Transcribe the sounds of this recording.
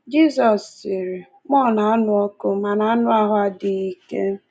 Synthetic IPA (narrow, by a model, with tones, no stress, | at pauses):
d͡ʒi˦sɔ˨si˨ɾe˨ | mɔ˦˨na˨a˦nʊ˦ɔ˦kʊ˦ma˨na˨a˦nʊ˦a˦ɦʊ˦a˨dɪ˨i˨kḛ˦